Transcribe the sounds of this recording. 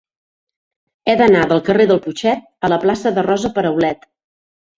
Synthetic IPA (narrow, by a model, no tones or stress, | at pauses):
ɛðənaðəlˠkəreðəlˠput͡ʃɛt̪̚ələplasəðərɔzəpəɾəwlɛt̪